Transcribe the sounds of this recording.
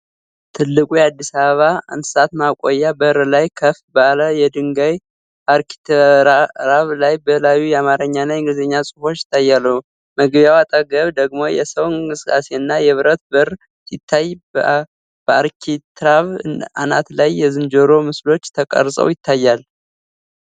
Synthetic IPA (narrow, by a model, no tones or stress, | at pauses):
t̪ʰɨlːɨkʼujɛad̪ːisaβəβa̰nɨ̥sat̪makʼojːabəɨɾlajkʰəfbaləjɛd̪ɨŋɡaj | aɾki̥t̪ɾaɾaβlajbəlajːujɛamaɾəɲːanajŋɡɨzəɲːasʼɨfo̞t͡ʃːɪ̥t̪ʰːajːalːəhu | məɡβjawat̪ʼəɡəβd̪əɡmo̞jɛ̰səwɨŋŋkʼɨsɨ̥kʼase̞ɨnːajɛβɨɾət̪̚bəɾ | sit̪ʰːaj | bəaɾkʰit̪ʰɾaβa̰nat̪lajːɛzɨnd͡ʒoɾo̞mɨslo̞t͡ʃːt̪ʰəkʼə̰ɾsʼə̰wjɪt̪ʰːajːal